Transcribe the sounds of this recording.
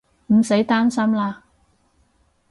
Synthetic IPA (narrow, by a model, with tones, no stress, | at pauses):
m̩˨˩se˨˥jt̪aː˥nsɐ˥mlaː˧